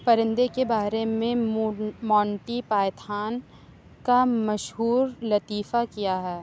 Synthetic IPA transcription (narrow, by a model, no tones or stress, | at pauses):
pɐɾɪ̃nd̪ekebaːɾemẽmɔ̃ːɳʈipaːjt̪ʰaːn | kamɐʃɦuːɾlɐt̪iːfakijaɦɛː